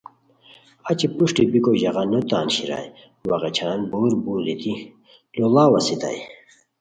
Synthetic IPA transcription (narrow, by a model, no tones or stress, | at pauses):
at͡ɕipuʂʈibikoʑɐɣɑnot̪aːnɕiɾa̰j | wɐʁɑt͡ɕʰaːnbuːɾbuːlit̪i | lolaːwɐsit̪a̰j